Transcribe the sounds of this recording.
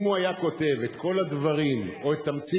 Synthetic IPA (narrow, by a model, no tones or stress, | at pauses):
muajako̞t̪e̞ve̞t̪ko̞lad̪vaʁimo̞et̪ːamt͡si